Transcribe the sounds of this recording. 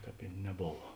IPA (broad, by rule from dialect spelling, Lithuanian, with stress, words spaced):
ˈkɑːp ɪ nʲɛˈboːʋɐ